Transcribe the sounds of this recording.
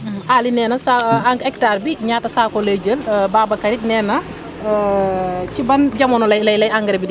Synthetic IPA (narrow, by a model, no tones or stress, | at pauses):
ʔaːlinɛːnɐsaaŋɡɛktaːɾbiɲaːtɐsaːkoled͡ʒəlbaːbɐkɐɾit̚nɛːnɐ | cibɐnɟɐmɔnɔlɐlɐjlɐjaŋɡɐɾbidi